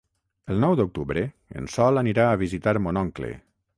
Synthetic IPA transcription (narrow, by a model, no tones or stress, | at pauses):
əlˠnɔwd̪uk̚t̪uβɾə | ə̰nsɔlaniɾaəβizit̪aɾmonɔŋklḛ